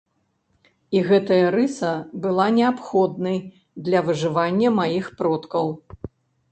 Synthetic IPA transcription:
iɣɛt̪ɐjɐɾɨsɐbɨlˠanʲɛapxɔd̪nɐj | d̪lʲɐvɨʐɨvanʲːɐmajixpɾɔt̪kɐw

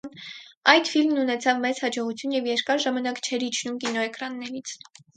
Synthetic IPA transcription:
nɑjd̪filmnunɛt͡sʰɑvmɛt͡shɑd͡ʒɔʁut͡sʰjunjɛvjɛɾkɑɾʒɑmɑnɑkt͡ʃʰɛɾhit͡ʃʰnumkinɔɛkɾɑnːɛɾit͡sʰ

